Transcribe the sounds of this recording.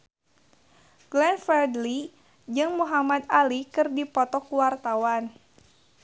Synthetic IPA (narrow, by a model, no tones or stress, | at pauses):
ɡ̥lɛnfərdli | d͡ʒɨŋmuɦamad̪alikɨrdipɔt̪ɔkuwart̪awan